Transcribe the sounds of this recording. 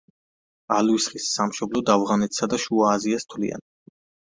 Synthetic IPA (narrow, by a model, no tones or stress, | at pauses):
alwisχisːamʃɔblɔd̪avʁanɛt̪ʰsad̪aʃuaːziast̪ʰlḭa̰n